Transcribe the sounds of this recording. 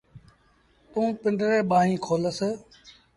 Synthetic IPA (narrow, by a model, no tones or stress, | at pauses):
t̪ũːpɪɳɖɾeːɓaːɦĩːkʰoːləs